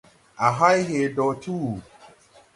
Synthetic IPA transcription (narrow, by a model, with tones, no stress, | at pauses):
a˨ɦa˦jɦe˨ɖɔ˨tu˦˨